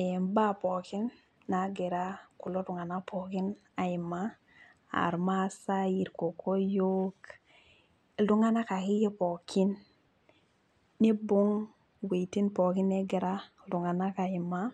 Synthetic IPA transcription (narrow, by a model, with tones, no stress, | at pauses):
mba˦pɔ˨ki˦nː | a˨ɡe˨ɾa˦ku˨lo˦tu˨ŋa˨na˦pʰo˨ki˦n | a˨i˨ma˦ | a̰˨ɾma˦sa˦ji˨ɾko˨ko˦jo˦k | ldu˦ŋa˦na˦ka˨ki˦je˦po˨kʰi˦n | e˦bo˦ŋ | we˨iti˦npo˨ki˦nːe˦ɡe˨ɾa˦ | lu˨ŋa˨na˦ka˨i˨ma˦